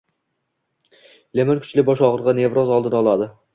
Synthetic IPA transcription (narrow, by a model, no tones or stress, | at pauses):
lemenkʲʰʊ̥t͡ʃlɪbɒʃɒʁɨɾʁɑne̞vɾozɒlˠd̪ɪnaɒlˠad̪ɪ